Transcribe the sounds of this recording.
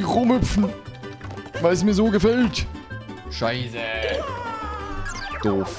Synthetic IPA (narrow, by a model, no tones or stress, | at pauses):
χʊmhʏpp͡fn̩ | vaɪls̬miːɐzoːɡəfɛlt | ʃaɪzə | d̥oːf